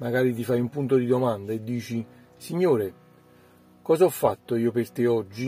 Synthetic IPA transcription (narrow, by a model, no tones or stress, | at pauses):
maɡaːɾit̪̬ifajumpunt̪od̪id̪omand̪aed̪ːiːt͡ʃi | siɲːoːɾe | kɔːzaɔfːat̪ːoiːopert̪ɪɔd͡ʒːi